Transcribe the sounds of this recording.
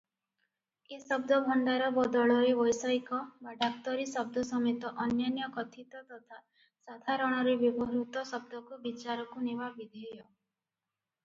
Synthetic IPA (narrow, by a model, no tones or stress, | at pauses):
esɔbd̪ʱɔbʱɔɳɖaɾɔbɔd̪ɔɭɔɾebɔjsɔjkɔbaɖʱak̚t̪ɔɾisɔb̚d̪ʱɔsɔmet̪ɔʔɔnjɔnjɔkɔt̪ʰit̪ɔt̪ɔt̪ʰa | sad̪ʱaɾɔɽ̃ɔɾebɔbɔɦɾut̪ɔsɔb̚d̪ʱɔkubit͡ʃaɾɔkunebabid̪ʱiɦjɔ